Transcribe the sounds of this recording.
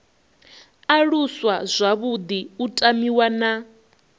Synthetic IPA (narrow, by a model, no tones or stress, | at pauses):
aɺuswazʷaβud̪iutʼamiwana